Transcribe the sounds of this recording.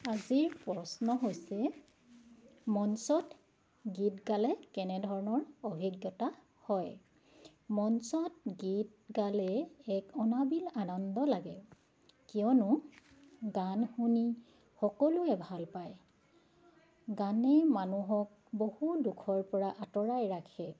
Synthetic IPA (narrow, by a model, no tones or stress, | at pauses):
aziɹpɹɔsnɔɦojsɛ | mɔnsɔt | ɡitɡalɛkɛnɛdʱɔɹɔnɔɹobʱiɡjɔta | hɔj | mɔnsɔt̚ɡit̚ | ɡalɛːkɔnabilanɔndɔlaɡɛ | kiɔnʊ | ɡanxuni | xɔkɔluɛbʱalpaj | ɡanɛmanuɦɔk̚ | bohudukʰɔɹpɔɹaʔatɔɹajɹakʰɛ